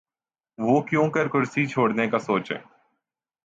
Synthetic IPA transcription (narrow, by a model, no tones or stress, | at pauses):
ʋoːkjõːkɐɾkʊɾsit͡ʃʰoːɽnekasoːt͡ʃɦḛ̃ː